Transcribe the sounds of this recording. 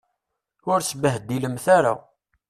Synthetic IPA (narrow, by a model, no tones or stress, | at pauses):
ʊɾsəbəɦd̪ːiləmθaɾa̰